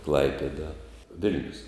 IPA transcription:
ˈklˠɐɪpʲɛdɐ ˈʋʲɪlʲnʲʊs

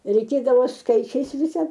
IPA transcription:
rʲɛɪˈkʲeːdɐʋoː ˈskɐɪt͡ʃʲɛɪs ˈʋʲɪsɐ

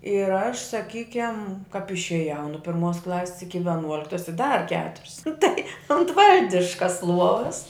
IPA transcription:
ɪr ɐʃ sɐˈkʲiːkʲɛm kɐp ɪʃʲeːˈjɛʊ nʊ pʲɪrˈmuɔs ˈklˠɑːsʲɪs ɪkʲɪ ʋʲɛˈnuɔlʲɪktɐs ɪ dɐr ˈkʲæːtʊrʲʊs nʊ tɐɪ ʊnt ˈʋɐlʲdʲɪʃkɐs ˈlˠuɔʋɐs

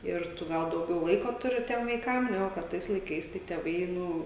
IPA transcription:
ɪr ˈtʊ ˈɡɐlˠ dɐʊˈɡʲɛʊ ˈlˠɐɪkoː ˈtʊrʲɪ ˈtʲiɛm ʋɐɪˈkɐm ˈnʲæːɡʊ kɐt ˈtɐɪs lˠɐɪˈkɐɪs tɐɪ tʲeːˈʋɐɪ ˈnʊ

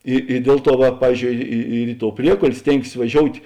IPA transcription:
ɪ ɪ ˈdʲiɛlˠ ˌtuɔ ʋɐ ˈpɑːʋʲiːzʲˌd͡ʒʲoːʊ ˈɪ ɪ ɪr ɪ toːʊ ˈpʲrʲiɛkoːlʲ ˈsʲtʲeːŋksʲeːs ʋɐˈʒʲoːʊtʲ

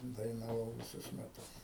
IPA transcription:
dɐɪnɐˈʋɐʊ ʋʲɪˈsʊs mʲɛˈtʊs

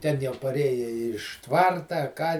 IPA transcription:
ˈtʲɛn jɛʊ pɐˈrʲeːjɛ ɪʃ ˈtʋɐrtɐ ɐ ˈkɑː

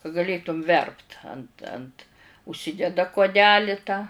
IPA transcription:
kɐ ɡɐˈlʲeːtʊm ˈʋʲɛrpt ɐnt ɐnt ʊʃʲˈsʲɪdʲɛdɐ kuɔˈdʲæːlʲɪ tɑː

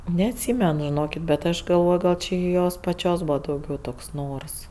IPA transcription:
nʲɛɐtʲˈsʲiːmʲɛn ʒʲɪˈnoːkʲɪt bʲɛt ˈɐʃ ɡɐlˠˈʋoːj ɡɐlˠ t͡ʃʲɪ ɪ ˈjoːs pɐˈt͡ʃʲoːs ˈbuːʋɐ dɐʊˈɡʲɛʊ ˈtoːks ˈnoːrs

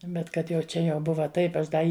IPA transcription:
ˈbʲɛt ˈkɐt jɛʊ ˈt͡ʃʲɛ jɛʊ ˈbʊʋɐ ˈtɐɪp ˈɐʃ ˈdɐ ˈɪ

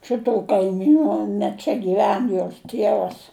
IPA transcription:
ˈʃʲɪtuː kɐɪˈmʲiːnʊ nʲɛ ˈt͡ʃʲɛ ɡʲiːˈʋʲɛn joːs ˈtʲiɛʋɐs

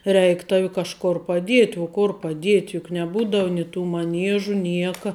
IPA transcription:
rʲɛɪk ˈtɑːʋʲɪ kɐʃˈkoːr pɐˈdʲiɛtʲ uɔ kʊr pɐˈdʲiɛtʲ jʊk nʲɛˈbuːdɐw nʲɛɪ tuː mɐˈnʲiɛʒʊ ˈnʲiɛkɐ

